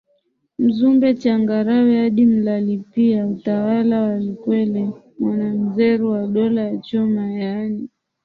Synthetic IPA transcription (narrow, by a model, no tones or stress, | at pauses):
m̩zumbɛt͡ʃaŋɡaɾawɛhaɗim̩lalipiautawalawalikwɛlɛ | mwanam̩zɛɾuwaɗɔlajat͡ʃɔmajani